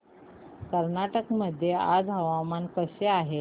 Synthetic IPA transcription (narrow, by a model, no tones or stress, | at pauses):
kəɾnaʈəkməd̪ʱːjea̰d͡zɦəʋamankəseaɦe